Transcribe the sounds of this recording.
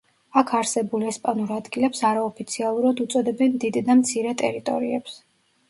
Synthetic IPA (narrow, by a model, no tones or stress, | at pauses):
akʰaɾsɛbulɛspʼanuɾad̪ɡilɛpsaɾaɔpʰit̪sʰialˠuɾad̪ut̪sʼɔd̪ɛbɛnd̪id̪ːamt̪sʰiɾɛt̪ʼɛɾit̪ʼɔ̰ɾiɛps